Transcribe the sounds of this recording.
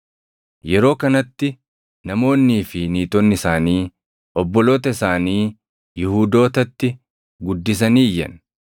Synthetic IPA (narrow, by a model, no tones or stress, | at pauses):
jɛɾo̞ːkɐnɐt̪ːɪ | nɐmo̞ːnːiːfɪniːt̪ɔnːɪsaːniː | ʔɔbːɔlo̞ːt̪ɐɪsaːniː | jɪhuːd̪o̞ːt̪ɐt̪ːɪ | ɡʊd̪ːɪs̬ɐniːjːɐ̰n